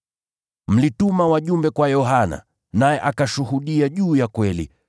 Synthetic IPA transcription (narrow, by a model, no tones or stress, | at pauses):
m̩litumawaʄumbɛkwajɔɦana̰ | najɛʔakaʃuhuɗiaʄuːjakwɛlḭ